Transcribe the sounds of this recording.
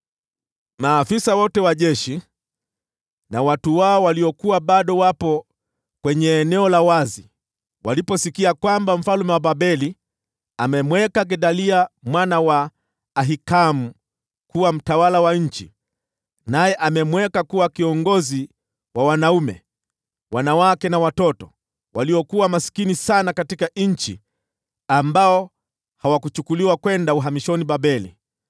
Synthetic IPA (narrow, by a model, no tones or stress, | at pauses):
maːfisawɔtɛwaʄɛʃi | nawatuwaɔwaliɔkuwaɓaɗɔwapɔ | kwɛɲɛːnɛɔlawazi | walipɔsikiakwambam̩falumɛwabaɓɛli | amɛmwɛkaɡɛɗaliamwanawaː | ɦikamu | kuwam̩tawalawaɲ̩t͡ʃḭ | najɛʔamɛmwɛkakuwakiɔŋɡɔzi | wawanaumɛ̰ | wanawakɛnawatɔtɔ | waliɔkuwamasi̥kinisanakatikaɲ̩t͡ʃi | ambaɔ | hawakut͡ʃukuliwakwɛndauɦamiʃɔnibabɛlḭ